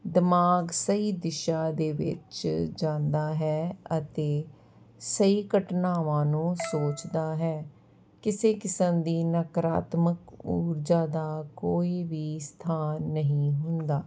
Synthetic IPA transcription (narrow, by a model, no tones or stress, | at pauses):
d̪ɪmaːɡsəiːd̪ɪʃaːd̪eːʋɪ̰t͡ʃd͡ʒãːnd̪aːɦɛːət̪eː | səiːkəʈnaːʋãːnũːsoːt͡ʃd̪aːɦɛː | kɪseːkɪsəmd̪iːnəkɾa̰ːt̪məkuːɾd͡ʒaːd̪aːkoːiːʋiːst̪ʰaːnːəɦĩːɦʊnd̪aː